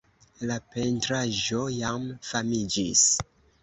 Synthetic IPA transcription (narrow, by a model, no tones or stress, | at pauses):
lape̞ntɾaʒo̞jamfamid͡ʒḭs